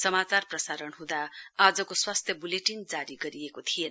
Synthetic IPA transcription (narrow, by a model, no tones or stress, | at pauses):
sʌmat͡sarprʌsaɾʌnɦũd̪aːd͡zʌkoswast̪ʰjʌbuleʈind͡zaɾiɡʌɾiekot̪ʰijen